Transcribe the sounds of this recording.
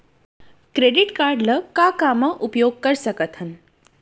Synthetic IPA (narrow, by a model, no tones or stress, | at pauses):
kɾeɖiʈkaɾɖləkakaməʔupjoɡ̚kəɾsəkət̪ɦən